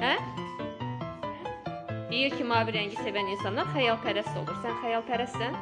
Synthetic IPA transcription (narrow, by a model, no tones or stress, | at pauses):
hæ | d̪̥ijiɾcʰimɑːviɾæɲɟise̞væninsɑnlˠɑɾxæjɑlˠpʰæɾæst̪o̞lˠuɾsænxæjɑlˠpʰæɾæst̪sæn